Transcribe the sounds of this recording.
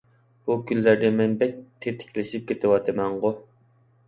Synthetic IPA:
b̥ukʲʰylːæɾd̪ɛmɛnbɛk̚ʲt̪ʰːet̪ʰɪ̥kʲʰlɪʃip̚kʲet̪ʰɪwɑt̪ʰɨmɛɴʁʊ

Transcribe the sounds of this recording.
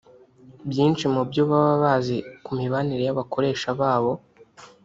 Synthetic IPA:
bjiːnt͡ʃimubjoβaβaβaːzekumiβaniɾe̞jaβakʰo̞ɾe̞ːʃaβaːβo̞

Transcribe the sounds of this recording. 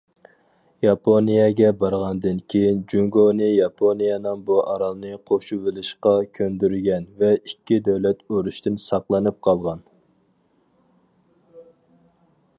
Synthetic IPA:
jɑpʰonijɛɡʲɛbɑɾʁɑnd̪ɨnkʲʰejind͡ʒuŋɡonɨjɑpʰonijɑnɨŋbuʔɑɾɑlˠnɨqʰoʃuvɪlɪʃqɑkʲʰønd̪yɾɡʲɛnvɛikʲːid̪ɛwlɛt̪øɾuʃt̪ɪnsɑqlˠɨnɨp̚qʰɑlˠʁɑn

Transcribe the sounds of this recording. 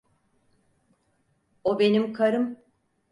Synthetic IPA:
obe̞nimkʰaɾɯm

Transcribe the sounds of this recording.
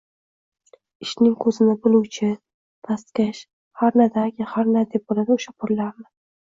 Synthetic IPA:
ɪʃnɪŋkʰɵzɪnɪbʊlˠʊwt͡ʃʰɪ | t̪ʰast̪kʲaʃ | haɾnad̪aɡʲɪhaɾnad̪ep̚bolad̪aʊʃapʰʊɾːaɾmɪ

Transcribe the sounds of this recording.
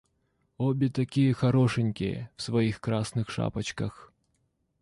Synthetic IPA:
ɔbʲit̪akʲijɐxaɾɔʂɨnʲkʲḭjɐ̰w̥svajixkɾasnɨxʂa̰pɐt͡ɕkɐx

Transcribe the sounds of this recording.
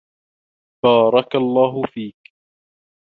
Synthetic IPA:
bɑːɾˤɑkalˤːaːɦʊfiːk

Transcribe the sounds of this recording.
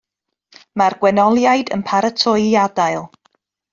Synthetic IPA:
marɡwɛnɔlˠjajdə̰npʰaɾətʰɔɨadaɨlˠ

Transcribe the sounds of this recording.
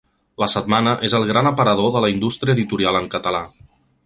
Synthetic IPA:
ləsəd̪manəʔezəlˠɣɾanəpəɾəðoðələind̪ust̪ɾiəðit̪uɾialˠəŋkət̪əla

